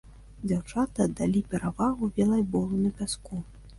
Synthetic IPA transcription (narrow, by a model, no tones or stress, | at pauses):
d͡zʲawt͡ʂat̪ɨːd̪ːalʲipʲɛɾavaɣubʲɛlˠɐjbɔlˠunɐpʲaskɔ